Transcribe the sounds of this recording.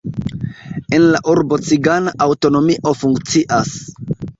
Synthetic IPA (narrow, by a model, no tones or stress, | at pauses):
enlaʔuɾbo̞t͡siɡanaʔawto̞no̞miʔo̞fuŋkt͡siʔas